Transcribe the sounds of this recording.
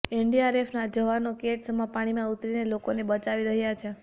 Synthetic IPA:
eɳɖiaɾefnad͡ʒəʋanokeʈsəmapaɽ̃imãut̪ɾinelokonebət͡ʃaʋiɾəɦjat͡ʃʰe

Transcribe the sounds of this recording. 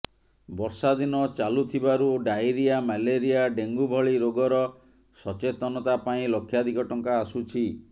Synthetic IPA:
bɔɾsad̪inɔt͡ʃalut̪ʰibaɾuɖajɾiamaleɾiaɖeŋɡubʱɔɭiɾoɡɔɾɔ | sɔt͡ʃet̪ɔnɔt̪apaĩlokʰːjad̪ʱikɔʈɔŋkaːsut͡ʃʰi

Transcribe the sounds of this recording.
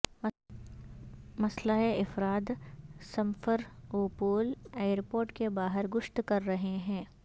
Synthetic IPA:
mɐslaeɪfɾaːd̪sɐ̃mfəɾuːpuːleːjɾpoːɾʈkebaːɦəɾɡʊʃt̪kɐɾːɐɦeɦɛ̃ː

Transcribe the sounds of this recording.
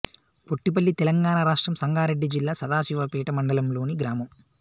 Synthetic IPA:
koʈːip̬ɐlːit̪ɛlɐŋɡaːnaːɾaːʂʈɾɐmsɐŋɡaːɾeɖːid͡ʒilːaːsɐd̪aːsiʋɐpiːʈɐmɐɳɖɐlɐmlo̞ːniɡɾaːmɐm

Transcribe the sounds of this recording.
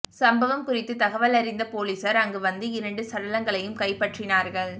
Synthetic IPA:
sɐmbɐʋɐmkʊrɪt̪ːɯt̪ɐɣɐʋɐlɐɾɪnd̪ɐpoːliːsɐɾɐŋɡɯʋɐnd̪ɯɪɾɐɳɖɯsɐɽɐlɐŋɡɐɭɐjɯmkɐɪpːɐʈrɪnaːɾɣɐɭ

